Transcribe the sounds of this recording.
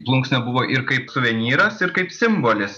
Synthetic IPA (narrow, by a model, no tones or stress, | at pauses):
plˠʊŋksʲnʲɛbʊʋoːʔɪɾkɐɪpsʊʋʲɛnʲiːɾɐsɪɾkɐɪpsʲɪmboːlʲɪs